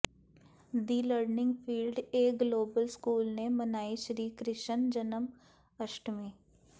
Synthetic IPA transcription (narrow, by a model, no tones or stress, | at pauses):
d̪iːləɾnɪ̃ŋɡfʰiːlɖeːɡloːbəlskuːlnemɐnaːiʃəɾiːkɾɪʃənd͡ʒənəm | əʃʈmẽː